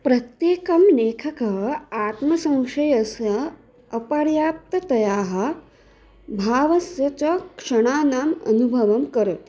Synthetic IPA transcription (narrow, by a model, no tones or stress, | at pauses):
pɾɐt̪jeːkɐmneːkʰɐkɐaːt̪mɐsɐ̃w̃ʂɐjɐsɐ | ɐpaːɾjaːp̚t̪ɐt̪ɐjaːɦɐ̆ | bʱaːʋɐsjɐt͡ʃɐkʂɐɽ̃aːnaːmɐ̰nubʱɐʋɐmkɐɾɐt̪